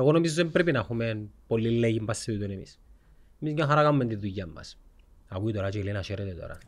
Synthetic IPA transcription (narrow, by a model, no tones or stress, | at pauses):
eɣonomizozðempɾepinɐxumenpolːilːeʝimpɐseðuit̪unemḭs | emiscaŋxɐɾakamumːet̪iðːuʝːɐmːɐ̰s | ɐpuit̪oɾɐt͡ʃelinɐʃeɾet̪et̪o̰ɾɐ̰